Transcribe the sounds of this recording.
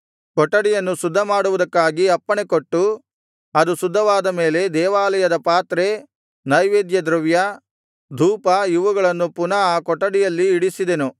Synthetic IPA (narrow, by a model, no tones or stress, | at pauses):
kɔʈːɐɽijɐnːusud̪ʱːɐmaːɽuʋud̪ɐkːaːɡiɐpːɐɳekoʈːu | ɐd̪usud̪ʱːɐʋaːd̪ɐme̞ːle̞d̪ɛːʋaːlɐjɐd̪ɐpaːt̪ɾe | nɐjʋeːd̪jɐd̪ɾɐʋjɐ | d̪ʱuːpɐjiʋuɡɐɭɐnːupunɐaːkɔʈːɐɽijɐlːiːɽisid̪enu